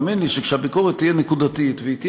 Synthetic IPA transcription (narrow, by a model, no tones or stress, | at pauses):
minliʃekʃehabikoʁet̪ːijenekud̪at̪it̪veit̪j